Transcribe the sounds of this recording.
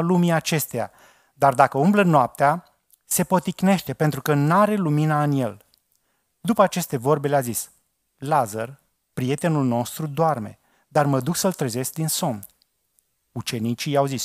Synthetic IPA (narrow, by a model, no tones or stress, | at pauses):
lumiat͡ʃe̞st̪eja̰ | d̪ard̪akəumblənoap̚t̪ea | se̞po̞t̪ikne̞ʃt̪e̞pent̪ɾukənaɾe̞luminaɨnje̞l | d̪upəat͡ʃe̞st̪e̞vo̞rbe̞leazis | lazər | pɾije̞t̪enulno̞st̪ɾud̪oarme̞̰ | d̪arməd̪uksəlt̪ɾeze̞sk̚d̪inso̞m | ut͡ʃe̞nit͡ʃijawzis